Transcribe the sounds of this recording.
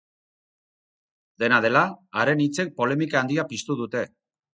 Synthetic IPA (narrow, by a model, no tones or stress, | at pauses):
d̪e̞nað̞e̞laːɾe̞nit͡se̞k̚po̞le̞mikaːnd̪iapist̪uð̞ut̪e̞